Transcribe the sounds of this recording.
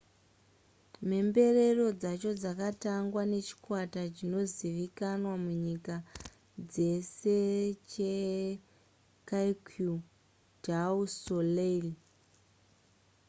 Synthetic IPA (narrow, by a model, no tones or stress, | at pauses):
m̤e̞mbe̞re̞ro̞d͡zat͡ʃo̞d͡zakataŋɡwane̞t͡ʃi̥kwatat͡ʃino̞ziʋikanwamuɲika | d͡ze̞se̞t͡ʃe | kaikʰju | d͡ʒausoleli